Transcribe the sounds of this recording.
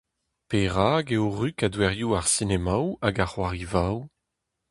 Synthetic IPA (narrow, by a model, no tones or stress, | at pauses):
peʁaːɡeoʁykadwɛʁjuaʁsinemawaɡaʁwaʁivaw